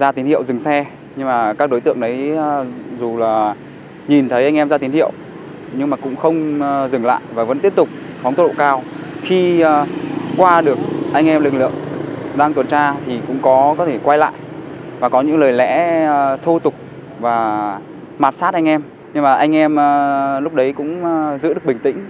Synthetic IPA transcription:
zaː˧t̪i˨˦nhḭ˧˨əwzɨ˨˩ŋsɛ˧ | ɲɨ˧ŋmaː˨˩kaː˦˥k̚ɗo˨˦jt̪ɨ̰˧˨əŋɗə˨˦j | zu˨˩laː˨˩ | ɲi˨˩nt̪ʰə˨˦jʔa˧jŋ̟ʔɛ˧mzaː˧t̪i˨˦nhḭ˧˨əw | ɲɨ˧ŋmaː˨˩kʊ̰˧˥ŋ͡mxə˧wŋ͡mzɨ˨˩ŋla̰ː˧˨jvaː˨˩və̰˧˥nt̪i˦˥əp̚t̪ʊ˨˩k͡p̚fwŋ͡mt̪ɗo̰˧˨kaː˧wxi˧ | kwaː˧ɗɨ˨˩ək̚ʔa˧jŋ̟ʔɛ˧mlɨ˨˩k̚lɨ̰˧˨əŋɗaː˧ŋt̪wə˨˩nt͡ɕaː˧t̪ʰi˨˩kʊ̰˧˥ŋ͡mkɔ˨˦kɔ˨˦t̪ʰe˧˩kwa˧jla̰ː˧˨jʔvaː˨˩kɔ˨˦ɲɨ̰˧˥ŋləː˨˩jlɛ̰˧˥t̪ʰo˧t̪ʊ˨˩k͡p̚ | vaː˨˩ | maː˨˩t̚saː˦˥t̚ʔa˧ŋ̟ʔɛ˧m | ɲɨ˧ŋmaː˨˩ʔa˧jŋ̟ʔɛ˧məː˨˩lʊ˦˥k͡p̚ɗə˨˦jkʊ̰˧˥ŋ͡mzɨ̰˧˥ɗək̚ɓï˨˩ŋ̟t̪ḭ̈˧˥˦ŋ̟

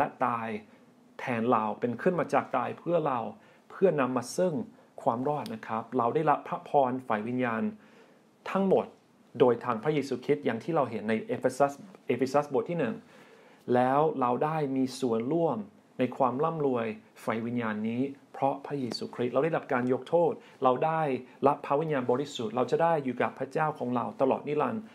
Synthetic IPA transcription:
lɛ˦˥ʔt̪aː˧j | t̪ʰɛː˧˩nla˧wpe˧nkʰɯ˥˩nmaː˧t͡ɕaː˨˩k̚t̪aː˧jpʰɯ˥˩ɐɾa˧w | pʰɯ˥˩ɐna˧mːaː˧sɯ˥˩ŋ | kʰwaː˧mɾɔː˥˩t̪̚na˦˥kʰɾa˦˥p̚ɾa˧wda˥˩jɾa˦˥pʰɾa˦˥pʰɔː˧nfa˨˩jwi˧njaː˧n | t̪ʰa˦˥ŋmo˨˩t̪̚ | doː˧jt̪ʰaː˧ŋpʰɾa˦˥jeː˧suː˧kʰɾi˦˥t̪̚ja˨˩ŋt̪ʰiː˥˩ɾa˧wɦe˩˦nːa˧jʔe˧e˧sa˦˥sʔeː˧˩fe˧sa˦˥sbo˨˩t̪ʰːiː˥˩nɯ˨˩ŋ | lɛː˦˥wɾa˧wdaː˥˩jmiː˧su˨˩˦ənɾu˥˩əm | na˧jkʰwaː˧mla˥˩mɾu˧əjfa˨˩jwi˧njaː˧nːiː˦˥pʰɾɔ˦˥pʰɾa˦˥jeː˧suː˧kʰɾi˦˥t̪̚ɾa˧wda˥˩ɾla˦˥p̚kaː˧njo˦˥k̚t̪ʰoː˥˩t̪̚ | ɾa˧wdaː˥˩jɾa˦˥pʰːa˦˥wi˧njaː˧nbɔː˧ɾi˦˥su˨˩t̪̚ɾa˧wt͡ɕa˨˩ʔdaː˥˩jːuː˨˩ka˨˩pʰɾa˦˥t͡ɕaː˥˩wkʰɔː˩˦ŋɾa˧wt̪a˧lɔ̰ː˨˩t̪̚ni˦˥la˧n

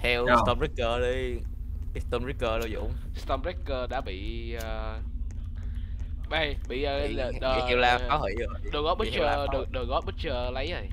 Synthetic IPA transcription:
t̪ʰɛ˧wst̪ɔ˧mɹi˦˥kːəː˧ɗi˧˦ | st̪ɔ˧mɹi˦˥kːəː˧ɗo˧wzʊ̰˧˨ŋ͡mst̪ə˧mɹi˦˥kːəː˧˩ɗa̰ː˧˥ɓḭ˧˨əː˨˩ | va˨˧˩jɓḭ˧˨əː˨˩˨ə˨i˧˨wlaː˧aː˨˦whḭ˧˨ə˨˩ɗɨ˨˩ɣɔ˦˥ɓə˦t͡ɕə˧˩ɗə˨˧˩ɗəː˨˩ɣɔ˦˥t̚ɓə˦˥t̚t͡ɕəː˧˩lə˨˦jə˨˩j

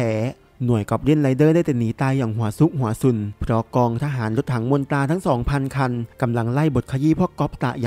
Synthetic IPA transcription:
pʰɛː˩˦ | nu˨˩əjkɔ˨˩p̚ɾi˧˥˩ənla˧˦jdɤː˥˩daː˥˩jt̪ɛ˨˩niː˩˦t̪aː˧jːaː˨˩ŋɦu˩˦əsu˦˥k̚ɦu˨˩˦ɐsu˧˩npʰɾɔ˦˥kɔː˧ŋt̪ʰaː˧ɦaː˩˦nlo˦˥t̪̚hʰa˩˦ŋmo˧nt̪aː˧t̪ʰa˦˥ŋsɔː˩˦ŋpʰa˧nkʰa˧nka˧mla˧ŋla˥˩jbo˨˩t̪̚kʰa˧jiː˧˥˩pʰɔ˦˧˥kɔ˦˥p̚t̪a̰˨˩ʔja˨

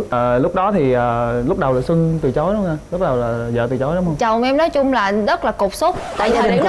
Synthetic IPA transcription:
lʊ˦˥k͡p̚ɗɔ˨˦t̪ʰi˨˩ʔəː˨˩lʊ˦˥k͡p̚ɗə˨˩wlaː˨˩sɨ˧ŋt̪ɨ˨˩t͡ɕo˨˦jɗo˨˦ŋ͡maː˧˩lʊ˦˥k͡p̚ɗwlaː˨˩˨zə̰ː˧˨t̪ɨ˨˩t͡ɕo˨˦jɗŋ͡mhə˧ŋ͡mt͡ɕə˨˩wŋ͡mʔɛ˧mnɔ˨˦jt͡ɕʊ˧ŋ͡mlaː˨˩zə˦˥t̚laː˨˩ko˨˩k͡p̚so˦˥k͡p̚t̪a̰ː˧˨jt̪ʰəː˨˩ɗ

